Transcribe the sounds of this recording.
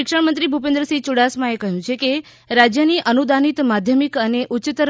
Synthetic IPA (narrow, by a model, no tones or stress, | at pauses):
ɪkʂəɳmənt̪ɾibʱupẽnd̪ɾəsit͡ʃuɽasmãekəɦjũt͡ʃʰeke | ɾad͡ʒjəniʔənud̪anit̪mad̪ʱjəmikəneʔut͡ʃt̪ɾ